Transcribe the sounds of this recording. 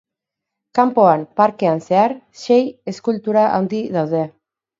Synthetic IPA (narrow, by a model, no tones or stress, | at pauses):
kampo̞ampaɾke̞anse̞aɾ | ʃe̞je̞skult̪uɾaʔawnd̪iðawðe̞